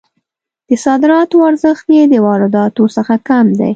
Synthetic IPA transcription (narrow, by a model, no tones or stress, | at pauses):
d̪̥əsɑd̪ɪɾɑt̪oaɾzəxt̪jed̪əwɑɾɪd̪ɑt̪osəxakamd̪a̰j